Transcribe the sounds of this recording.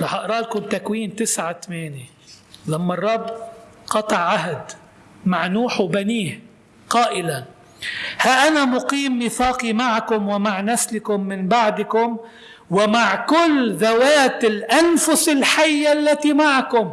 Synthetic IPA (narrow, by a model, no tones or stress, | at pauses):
ɾɑħɑʔɾˤɑːlkʊmt̪akwiːnt̪ɪsʕat̪ameːne | lamːɑrˤːɑbː | qɑt̪ˤɑʕːaɦd̪ | maʕnuːħwbaniːh | qɑːʔɪlan | haʔanamʊqiːmːiθɑːqimaʕkʊmwɪmaʕnaslɪkʊmːɪnbaʕd̪kʊm | wɪmaʕkʊlːðawaːt̪ɪlʔanfʊsɪlħajːalːat̪imaʕkʊm